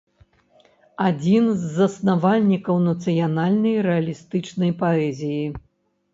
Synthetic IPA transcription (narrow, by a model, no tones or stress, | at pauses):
ad͡zʲinzːɐsnavalʲnʲikɐwnɐt̪sɨjanalʲnɐjɾɛɐlʲist̪ɨt͡ʂnɐjpaɛzʲiji